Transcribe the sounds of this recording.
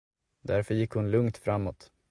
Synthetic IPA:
d̪æɾfœɾjɪkːhʊnlɵŋt̪fɾamːɔt̪

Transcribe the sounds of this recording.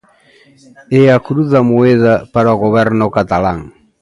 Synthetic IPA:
eakɾuðamoeðapaɾaoɣoβɛɾnokat̪alaŋ

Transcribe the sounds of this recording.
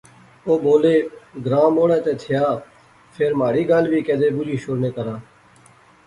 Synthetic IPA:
oːboːleːɡɾãːmoːɽɛ̃ːt̪eːt̪ʰɪjaː | pʰeːɾmaːɽiːɡalʋiːkɛːd̪eːbʊɾiːʃʊɾneːkəɾaː

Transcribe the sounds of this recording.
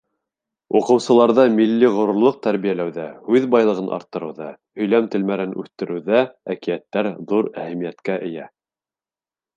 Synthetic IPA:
uqɤ̆wsɤ̆lˠɑɾðɑmilːiʁŏɾŏɾlˠoɤq̚t̪æɾβijælæwðæhʉðbɑjlˠɤ̆ʁɤnʔɑ̰ɾt̪ːɤ̆ɾɤ̆wðɑ | hɵ̆jlæmt̪ɘ̆lmæɾɘnʔʉ̰θt̪ɘ̆ɾʔɘ̆wðæækijæt̪ːæɾðuɾæhæmijæt̪kæʔɘ̆jæ

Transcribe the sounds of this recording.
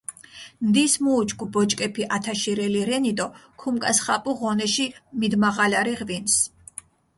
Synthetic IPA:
md̪ismuːt͡ʃʰʼkʰʼubɔt͡ʃʼkʼɛpʰiʔat̪ʰaʃiɾɛliɾɛnit̪ʼɔkʰumkʼasχapʼuʁɔnɛʃimid̪maʁalaɾiʁvins

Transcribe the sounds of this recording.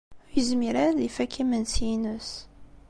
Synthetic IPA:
ʊjəzmiɾaðifækʰːimənsjinəs

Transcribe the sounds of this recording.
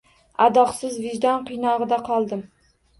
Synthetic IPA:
ad̪ɒqsɪzvɪʒd̪ɒnqʰɨjnɒʁɨd̪aqʰɒlˠd̪ɪm

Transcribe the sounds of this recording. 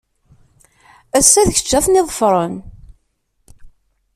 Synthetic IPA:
æsːæðçə̥t͡ʃːæθniðˤəfɾˤən

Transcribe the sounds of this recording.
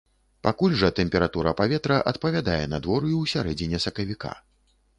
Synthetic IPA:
pakulʲʐɐt̪ɛmʲpʲɛɾat̪uɾɐpavʲɛt̪ɾɐʔɐt̪̚pɐvʲad̪ajɛnɐd̪vɔɾujuwsʲaɾɛd͡zʲinʲɛsɐkɐvʲika̰

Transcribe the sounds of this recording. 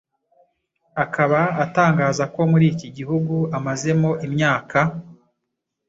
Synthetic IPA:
akʰaβaataːŋɡaːzako̞muɾiːciɟiɦuɡuamaze̞moʔimɲaːka

